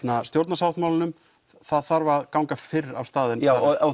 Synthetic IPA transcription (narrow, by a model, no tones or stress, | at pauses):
nast̪jowɾt̪nasawht̪mawlɪnʏm | θaðθaɾvaːðkawŋkafɪra̰wst̪aːðɪna